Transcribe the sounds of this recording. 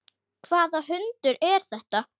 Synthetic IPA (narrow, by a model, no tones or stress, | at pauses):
kʰvaːðaɦʏnt̪ʏɾɛɾ̥θɛht̪a